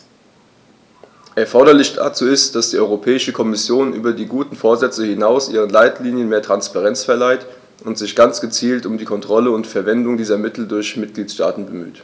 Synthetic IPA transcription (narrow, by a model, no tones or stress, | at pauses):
ʔɛɐfɔɐɾɐlɪçd̥a̰t͡suːɪstd̥asd̥iːʔɔʏʁopʰɛːɪʃəkʰɔmɪsjoːnʔyːbɐdiːɡuːtn̩foːɐzɛt͡səhɪnaʊsʔiːʁ̞ənlaɪtliːnjənmeːɐtʁ̥anspaʁɛnt͡sfɛɐlaɪt | ʊntz̥ɪçɡ̥ant͡sɡ̥ət͡siːltʊmdiːkʰɔntʁ̥ɔləʊntfɛɐvɛndʊŋdiːzɐmɪtl̩dʊɐçmɪt̚ɡ̥liːtʃta̰ːtn̩bəmy̰ːt